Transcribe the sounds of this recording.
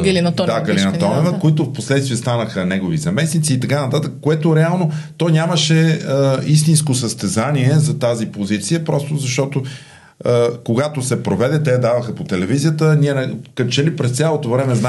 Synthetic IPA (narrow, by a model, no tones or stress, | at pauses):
ɡɐlint̪d̪aɡɐlinɐɔnɛvəkoit̪ʊfposlɛt̪st̪viɛst̪anəxənɛɡovizɐmɛsnit̪siːt̪ɐkanɐt̪at̪əkkːoɛt̪oɾɛalˠnot̪ɔjnʲaməʃɛəist̪inskosəst̪ɛzaniɛzɐt̪azipozit̪sijəpɾɔst̪ozɐʃt̪ɔt̪o | əkoɡat̪osɛpɾovɛd̪ɛt̪ɛɐd̪avɐxəpot̪ɛlɛvizijət̪ənʲiɛnɐkət͡ʃɛlipɾɛst̪sʲalˠot̪ovɾɛmɛzna